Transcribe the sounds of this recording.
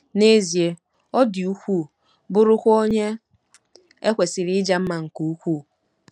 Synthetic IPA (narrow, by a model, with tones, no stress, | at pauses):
ne˦zi˨e˦ | ɔ˦dɪ˨u˦kʷu˦˨ | bʊ˦ɾʊ˦kʷo˦ɲe˦ | e˦kʷe˨sɪ˨ɾɪ˦d͡ʒa˦m̩˦ma˨ŋ̩˨ku˨u˦kʷu˦˨